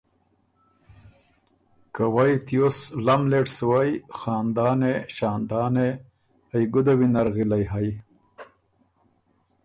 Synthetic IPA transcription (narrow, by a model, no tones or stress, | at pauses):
kawajt̪ijoslamleʈswajxɑːnd̪ɑːneɕɑːnd̪ɑːne | ajɡud̪awinaɾɣilajɦaj